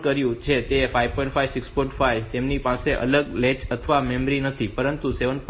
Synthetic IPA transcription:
kəɾjũt͡ʃʰet̪efaiʋpɔjɳʈfʰaiʋsɪksfuɳʈfajt̪emnipãseʔə̰ləɡlet͡ʃət̪ʰəʋamemɾinət̪ʰipəɾənt̪useʋənp

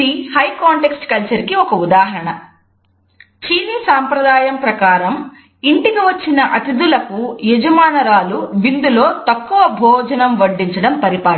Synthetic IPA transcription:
ihɐjkaːɳʈeksʈkɐlt͡ʃɐɾkiɔkɐud̪aːɦɐɾɐɳɐ | t͡ʃiːnisaːmpɾɐd̪aːjɐmpɾɐkaːɾɐm | iɳʈikiʋɐt͡ʃːinɐʔɐt̪id̪ulɐkujed͡ʒɐmaːnɐɾaːluʋind̪ulo̞ːt̪ɐkːuʋɐbʱɔːd͡ʒɐnɐmʋɐɖːiɲt͡ʃɐɽɐmpɐɾipaː

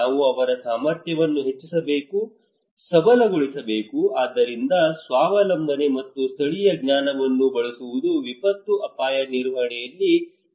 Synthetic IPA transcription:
aːʋuɐʋɐɾɐsaːmɐɾt̪ʰjɐʋɐnːuɦe̞t͡ʃːisɐbe̞ːku | sɐbɐlɐɡoɭisɐbe̞ːkuaːd̪ːɐɾind̪ɐsʋaːʋɐlɐmd̪ʱɐne̞mɐt̪ːust̪ʰɐɭijɐɡɲaːnɐʋɐnːubɐɭusuʋud̪uʋipɐt̪ːuʔɐpaːjɐniɾʋɐɐɳɛjɐlːi

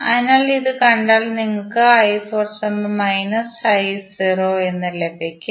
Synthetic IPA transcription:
ɐ̰ðinaːɭiðɨkɐɳɖaːɭniŋːɐɭkɨɐjfoːrsɐmmɐjnɐsɐjsiroːe̞nːɐlebʱikʲːum

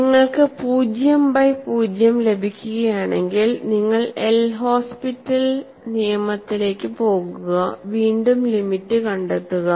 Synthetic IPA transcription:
iŋːɐɭkɨpuːd͡ʑjɐmbɐjpuːd͡ʑjɐmle̞bʱikʲːuɣɐjaːɳe̞ŋɡilniŋːɐɭelɦo̞ːspitːɐl | nijɐmɐt̪ːile̞ːkːɨpo̞ːɣuuɣɐʋiːɳɖumlimitːɨkɐɳɖet̪ːuɣɐ

